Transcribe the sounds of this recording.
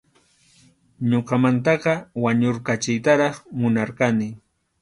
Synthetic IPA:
ɲoqɑmant̪̬ɑqɑwaɲoɾkat͡ʃɪjt̪aɾɑχmʊnaɾqɑnɪ

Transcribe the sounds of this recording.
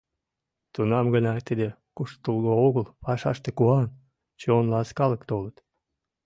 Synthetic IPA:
t̪unɑmɡənɑt̪əd̪e | kuʃt̪t̪ulɣooɣəlpɑʃɑ̰ʃt̪ekuɑn | t͡ɕeonlɑskɑləkt̪olət̪

